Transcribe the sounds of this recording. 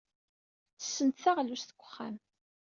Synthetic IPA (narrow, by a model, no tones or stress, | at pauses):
θə̥sːənt̪θaʁlusθə̥ɡʷːə̥χːæ̰m